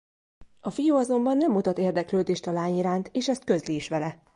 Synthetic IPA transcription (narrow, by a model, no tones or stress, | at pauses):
ɒfijuːɒzo̞mbɒnːɛmːut̪ɒt̪eːrd̪ɛkløːd̪eːʃt̪ɒlaːɲiɾaːnt̪eːʃɛst̪̚kø̞zliːʃʋɛlɛ